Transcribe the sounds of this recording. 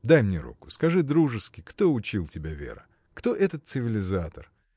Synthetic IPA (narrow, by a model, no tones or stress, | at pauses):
d̪ajmnʲeɾṵkʊ̥skɐʐɨd̪ɾuʐɨskʲɪkt̪o̞ʊt͡ɕilˠtʲɪbʲavʲe̞̰ɾə̰ | kt̪o̞ʔɛt̪ət̪sɨvʲɪlʲɪzat̪ər